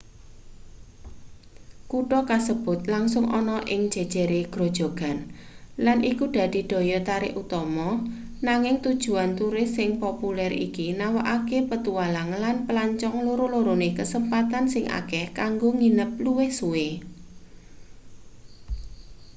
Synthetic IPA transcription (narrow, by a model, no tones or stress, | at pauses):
kuʈɔkasəb̥ʊ̤t̪̚laŋsʊŋʔɔnɔʔɪŋd̥d͡ʒ̥ɛ̤d̥ʒ̥ɛ̤ɾeɡ̥ɾo̤d̥ʒ̥o̤ɡ̥a̤nlanʔikuɖ̪̥a̤d̪̥i̤d̪̥ɔ̤jɔt̪aɾɪʔut̪ɔmɔ | naŋɪŋt̪ud̥ʒ̥ṳant̪uɾɪsɪŋpɔpulɛɾḭkinawaʔakepət̪ualanlanpəlaɲt͡ʃɔŋloɾoloɾonekəsəmpat̪ansɪŋʔa̰kɛhkaŋɡoŋinəp̚luwɪhsue